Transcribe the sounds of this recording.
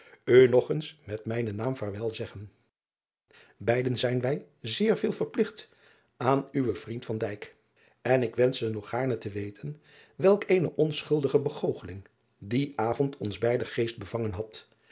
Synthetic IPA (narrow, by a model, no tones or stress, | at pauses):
ønɔχənsmɛtmɛjnənaːmvaːɹʋɛlˠzɛχən | bɛjdənzɛjnʋɛj | zɪːɹvɪːlˠvəɹplɪχt | aːnyʋəv̥rintfɑndɛjk | ɛnɪkʋɛnsənɔχaːɹnətəʋejtʰən | ʋɛlˠkejnəʔɔnsχɵlˠdəχəbəχowχəlɪŋ | diʔaːvɔntʰɔnzbɛjdəχejst̚bəvɑŋənɦɑt